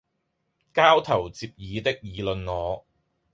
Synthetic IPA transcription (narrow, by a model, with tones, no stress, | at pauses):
kaː˥wt̪ʰɐ˨˩wt͡siː˧p̚jiː˨˧t̪ɪ˥k̚jiː˨˧lɵ˨nŋɔː˨˧